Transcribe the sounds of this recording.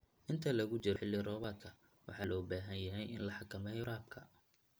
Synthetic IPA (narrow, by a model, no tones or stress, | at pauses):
ʔɪnt̪ʰɐlɐɣʊt͡ʃɪɾħɪlːɪrɔːβaːd̪̚kʰɐ | wɑ̰ħɑːlɔːbaːɦɐnjɐɦɛjʔɪ̰nlɐħɑkʰɐmɛjɾaːb̚kʰɐ